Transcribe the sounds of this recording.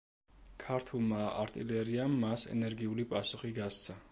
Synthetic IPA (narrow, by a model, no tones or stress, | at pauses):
kʰaɾt̪ʰulˠmaaɾt̪ʼilɛɾiamːasɛ̰nɛɾɡiulipʼasuχiɡast̪sʰa